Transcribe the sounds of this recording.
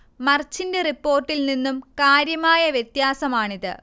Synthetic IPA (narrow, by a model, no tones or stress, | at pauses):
mɐrt͡ɕːinde̞ripːo̞ːrʈːilninːumkaːɾjɐmaːjɐʋjet̪jaːsɐmaːɳiðɨ̰